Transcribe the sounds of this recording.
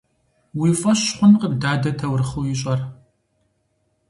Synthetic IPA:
wiːfʼɐɕχʷʊnqəbdaːdɐtʰɐwrɨχuwjɪɕʼɐr

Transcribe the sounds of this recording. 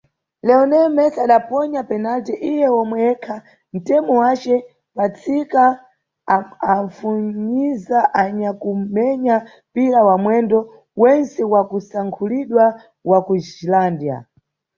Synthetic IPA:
lɛɔnɛmɛsaɗapɔɲapɛnatɛʔijɛɔmwɛɛkʰa | n̩tɛmɔwat͡ʃɛ | pat͡sʰika | aɱfuɲizaʔaɲakumɛɲa | piɾawamwɛndɔ | wɛnsɛwakusaŋkʰuliɗwa | wakud͡ʒilandja̰

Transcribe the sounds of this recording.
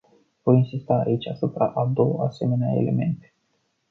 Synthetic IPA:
vo̞jinsist̪a̰ːit͡ʃʲasupɾaʔad̪o̞wəase̞me̞nea̰e̞̰le̞̰me̞̰nt̪e̥

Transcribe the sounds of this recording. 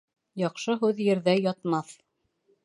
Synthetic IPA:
jɑqʃɤɦʉðjɘ̆ɾðæjɑt̪mɑθ

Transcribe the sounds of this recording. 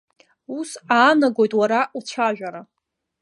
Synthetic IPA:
usaːnaɡo̞jtʼwaɾaʔut͡ʃʷʰaʒᶣaɾa

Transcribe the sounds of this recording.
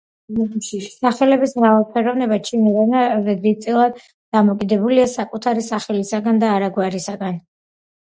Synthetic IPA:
saχɛlɛbismɾavalˠpʰɛɾɔvnɛbat͡ʃʰinad̪anaɾɛd̪ɾit̪sʼilˠad̪ | d̪̥amɔkʼid̪ɛbuliasakʼut̪ʰaɾisaχɛlisaɡand̪aːɾaɡwaɾisaɡan

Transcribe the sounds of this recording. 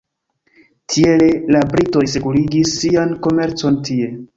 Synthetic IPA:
tʰiele̞labɾito̞js̬e̞kuliɡisːianko̞me̞ɾt͡so̞ntʰie̞

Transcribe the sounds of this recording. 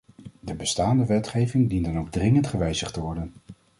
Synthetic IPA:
dəbəstaːndəʋɛtχejvɪŋdindənowɡ̚drɪŋəntχəʋɛjzəχtəʋɔɹdən

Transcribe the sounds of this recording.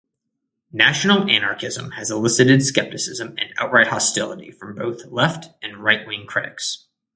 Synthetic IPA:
næʃn̩l̩ˠænɑɹkɪzə̰̃mɨzəlɪsɨɾɨd̥skɛp̚tɨsɪzə̃mɨ̰̃na̰ʊt̚ɹaɪt̚hɑstɪlˠəɾḭfɹʌ̃mboʊθlɛftɨ̃nɹaɪʔ̚wɪ̃ŋkʰɹ̥ɪɾɨ̰ks

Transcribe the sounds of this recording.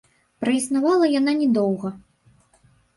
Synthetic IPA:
pɾɐisnavalˠɐjananʲɛd̪ɔwɣɐ

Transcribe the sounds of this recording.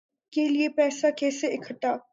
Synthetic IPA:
keliepɛːsakeːseɪkʰəʈ̪aː

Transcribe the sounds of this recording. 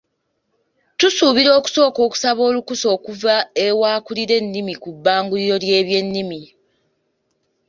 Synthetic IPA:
tusuːβiɾo̞ːku̥so̞ːko̞ːku̥saβo̞ːlukuso̞ːkuvaewaːkuliɾe̞nːimikubːaːŋɡuliɾo̞lje̞ːβje̞nːimi

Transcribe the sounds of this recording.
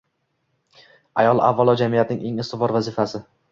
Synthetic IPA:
ajɒlˠa̰vːalˠɒd͡ʒamijat̪nɪŋʔe̞ŋɪst̪ɪfɒɾvazɪfasɪ

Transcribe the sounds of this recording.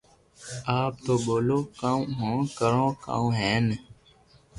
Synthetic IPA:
aːp̚t̪oːɓoːloːkãũɦõːkəɾõːkã̰ːũːɦɛːn

